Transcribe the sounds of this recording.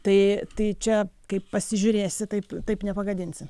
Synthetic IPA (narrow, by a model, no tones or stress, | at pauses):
t̪ɐɪt̪ɐɪt͡ʃʲɛkɐɪppɐsʲɪʒʲʊɾʲeːsʲɪt̪ɐɪpt̪ɐɪpnʲɛpɐɡɐd̪ʲɪnʲsʲɪ